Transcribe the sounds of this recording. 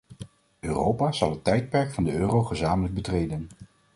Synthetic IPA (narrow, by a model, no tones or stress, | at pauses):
øːrowpaːz̥ɑlˠɦətːɛjt̚pɛɹkfɑndəøːrowχəzaːmələɡ̚bətrejdən